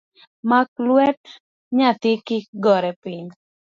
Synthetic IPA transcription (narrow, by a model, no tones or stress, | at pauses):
maklwɛʈ̚ | ɲat̪ɪkɪɡɔɾɛpiɲ